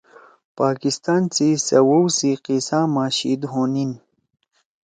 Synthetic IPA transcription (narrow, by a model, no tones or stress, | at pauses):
paːkist̪aːnt͡sisɐwowsiqisaːmaːɕḭd̪ɦoːnin